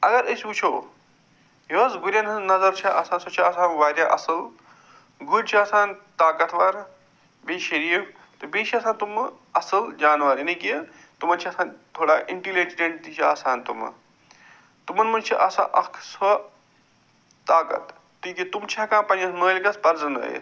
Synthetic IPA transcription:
ɐɡɐɾəsʲut͡ʃʰoː | joɐsɡuɾʲjanɐnɐzɐɾt͡ʃʰiʔɐsaːnsɐt͡ʃʰiɐsaːnʋaːɾjaʔɐsɨl | ɡuɾt͡ʃʰiɐsaːnt̪aːkɐt̪ʰʋaːɾ | beːʃɐɾiː | t̪ɨbiːʃiɐsãːnt̪um | ɐsɨld͡ʒaːnʋaːɾinɐki | t̪umɐnt͡ʃʰiɐsaːnt̪ʰoːɽaːʔiɳʈilid͡ʒɾeɳʈt̪it͡ʃʰia̰ːsaːnt̪ṵmɐ̰ | t̪umɐnmɐnt͡ʃʰiʔɐsa̰ʔɐkʰsɐ | t̪aːkɐ̰t̪ | t̪iːkit̪umt͡ʃʰakãːpɐnɐsnəːlʲkɐspɐɾd͡zɐnɐ̰ːjḛ

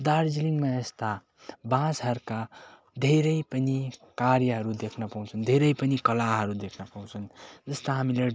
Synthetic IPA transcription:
d̪aɾd͡ziliŋmaest̪a | bãsɦʌɾka | d̪ʱeɾʌjpʌnikaɾjʌɦʌɾud̪ekʰnʌpaw̃t͡sʰund̪ʱeɾʌjpʌnikʌlaɦʌɾud̪ekʰnʌpaw̃t͡sʰund͡zʌst̪aɦamile

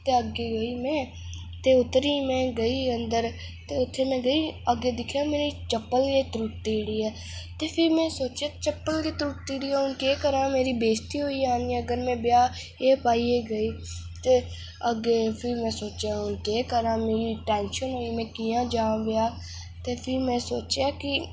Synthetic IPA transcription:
t̪eːəɡeːɡoiːmɛ̃ː | t̪eːʊt̪ːɾiːmɛ̃ːɡəiːənd̪əɾ | t̪eːʊt̪ʰːeːmɛ̃ːɡəiːəɡeːd̪ɪkʰjaːmeːɾiːt͡ʃəpːəlkeːt̪ɾuːʈ̚t̪iːɽiːɛː | t̪eːpʰɪɾmɛ̃ːsoːt͡ʃaːt͡ʃəpːəlkeːt̪ɾuːʈ̚t̪iːɽiːɛːʊnkeːkəɾãːmeːɾiːbeːst̪iːɦoːiːaːniɛ̃ːəɡəɾmɛ̃ːbɪjaː | eːpaːiːeːɡəiː | t̪eː | əɡeːpʰɪɾmɛ̃ːsoːt͡ʃjaːʊnkeːkəɾãːmeːɾiːʈɛːnʃənɦoːiːmɛ̃ːkijãːd͡ʒãːʋɪjaː | t̪eːpʰɪɾmɛ̃ːsoːt͡ʃjaːkɪ

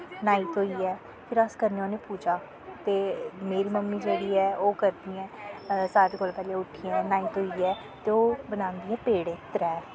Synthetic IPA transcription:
naːɪit̪ɦoːiːɛː | pʰɪɾəskəɾneoːneːpuːd͡ʒaː | t̪eːmeːɾiːməmːiːd͡ʒeːɽiːɛːoːkəɾd̪iːɛ̃ːsaːt̪ːkoːlpɛːleːʊʈʰːijɛ̃ːnaːɪt̪ɦoːiːɛː | t̪eːoːbənaːnd̪iːɛ̃ːpeːɽẽːt̪əɾɛː

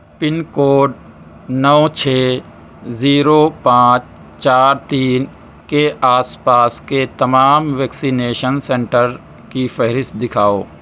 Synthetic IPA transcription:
pɪnkoːɖ | nɔːt͡ʃʰeː | ziːɾopãːt͡ʃ | t͡ʃaːɾt̪iːn | keʔaːspaːsket̪ɐmaːmʋɛːksineːʃənsɛ̃ɳʈəɾ | kifɛɦɾɪst̪̚d̪ɪkʰaːoː

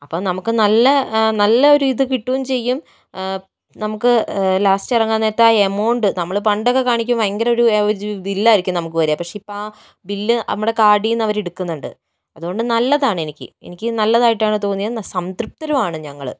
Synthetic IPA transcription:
ɐpːoːnɐmukːɨnɐlːɐnɐlːɐo̞ɾuiðɨkiʈːuwumt͡ɕe̞jːum | nɐmukːɨlaːsʈɐrɐŋːɡːɐnːeɐt̪ːaːemoːɳɖɨnɐmːɐɭp̬ɐɳɖokːe̞kaːɳikʲːumɐŋɡɐɾɐo̞ɾuɾbilːaːiɾikʲːumnɐmukːɨʋɐɾujampɐkʂeipː | bilːɨɐ̰mːuɽe̞kaːɽijunːɐʋɐɾeɽukːunːuɳɖɨ̰ | ɐðuɣo̞ɳɖɨnɐlːɐðaːɳɨenikʲːɨ̰e̞̰nikʲːɨnɐlːɐðaːjiʈːaːɳɨt̪o̞ːnːijɐnsɐmd̪rup̚t̪ɐɾɐmaːɳɨɲɐŋːɐɭ

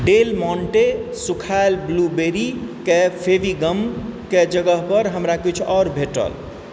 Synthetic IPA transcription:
ɖelmɔɳʈesukʰaelblubeɾikepʰeʋiɡəmked͡ʒəɡəɦpəɾɦəmɾakit͡ʃʰɔɾbʱeʈə̰l

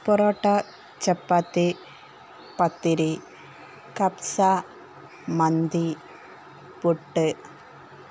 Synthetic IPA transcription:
pɔɾoːʈːa | t͡ʃɐpːat̪ːi | pɐt̪ːiɾi | kɐpsa | mɐnd̪i | puʈːɨ

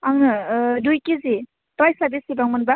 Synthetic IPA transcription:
aŋnɯdujkizi | tajsabisibaŋmɯnba

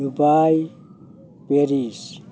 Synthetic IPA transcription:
ubaj | peɾis

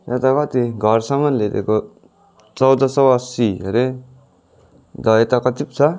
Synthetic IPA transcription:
et̪akʌt̪iɡʱʌrsʌmʌnleɾeko | t͡sʌwd̪ʌsʌwʌsieɾe | d̪ʌet̪akʌt̪ipt͡sʰʌ

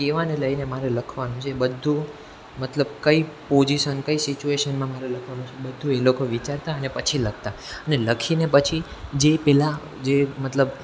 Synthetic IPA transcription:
keʋaneləinemaɾeləkʰʋanũt͡ʃʰebəd̪ʱːũ | mət̪ləb̚kəipoziʃənkəisit͡ʃueʃənmãmaɾeləkʰʋanũt͡ʃʰebəd̪ʱːũelokoʋit͡ʃaɾt̪aənepət͡ʃʰilək̚ʰt̪aəneləkʰinepət͡ʃʰid͡ʒepɛla | d͡ʒemət̪ləb

